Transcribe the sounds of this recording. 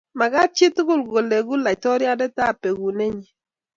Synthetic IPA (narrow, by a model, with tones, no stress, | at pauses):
ma˨ka˦t͡ʃɪ˦tʊ˦ɡʊ˦˨lɡo˨le˨ɡu˦la˨tɔ˦ɾja˦dɛ˦ta˦˨pe˨ɡu˨ne˦ɲi˨